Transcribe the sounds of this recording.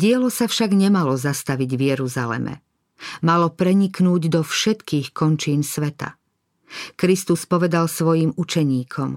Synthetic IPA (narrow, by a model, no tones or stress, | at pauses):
ɟɪɛlɔsafʃaɡɲɛmalɔzast̪aʋiɟvɪjɛɾuza̰lɛ̰mɛ̰ | malɔpɾɛɲiknuːɟd̪ɔfʃɛt̪kiːxkɔnt͡ʃiːnsʋɛt̪a̰ | kɾist̪uspɔʋɛd̪alsʋɔjimut͡ʃɛɲiːkʰɔm